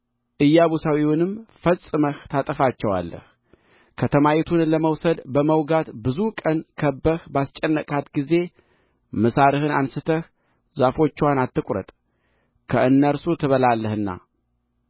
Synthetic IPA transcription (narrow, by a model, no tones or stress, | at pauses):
ʔɨjːaβusawiwʊnɨmfəsʼɨməht̪ʰat̪ʼəfat͡ʃːɛwa̰lːə̰h | kʰət̪ʰəmajit̪ʰunləməwsəd̪bəməwɡat̪bɨzukʼənkʰəbːəhbast͡ʃʼɛnːəkʼat̪ɡize̞ | məsaɾɨhɨnansɨt̪ʰəh | zafo̞t͡ʃːwanat̪ːɨkʷʼɾə̰t̪ʼ | kʰəʔɨnːəɾsut̪ʰɨβəlalːəhɨnːa̰